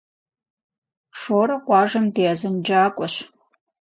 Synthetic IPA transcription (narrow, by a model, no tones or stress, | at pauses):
ʂoːɾɐʁʷɑːʒɐmdeːazɨnd͡ʒaːkʷʼɔɕ